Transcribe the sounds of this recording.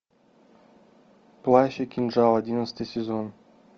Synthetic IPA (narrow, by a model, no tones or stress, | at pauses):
plˠaɕɐkʲinʐɑlˠɐdʲinət̪sə̥t̪ɨjsʲɪzon